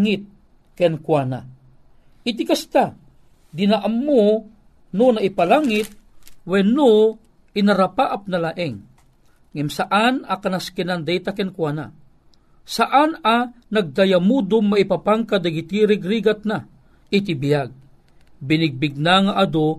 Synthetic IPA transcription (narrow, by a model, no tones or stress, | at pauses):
ŋɪt̪̚ | kɛnkwana̰ | ɪt̪̬ɪkast̪a | d̪inaʔamːo | nonaʔipalaŋɪt̪̚wɛno | ɪnɐɾapaʔap̚nalaʔɛŋː | ɛmsaʔanakanaskɛnand̪ɛjt̪akɛnkwana̰ | saʔana | nɐɡ̚d̪ajamud̪ʊmːaipapaŋkad̪ɐɡit̪iɾɪɡɾiɡat̪̚na | ɪt̪̬ibijaɡ̚ | bɪnɪɡ̚bɪɡ̚naŋaʔad̪o